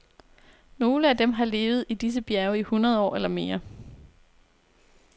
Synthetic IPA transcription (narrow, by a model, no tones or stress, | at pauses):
no̝ːləæd̥emɦɑ̈le̝ːʊð̞̩ˠid̥is̬əb̥jæɐʊihunʁɐð̞ˠɒ̰ːelɐme̝ːɐ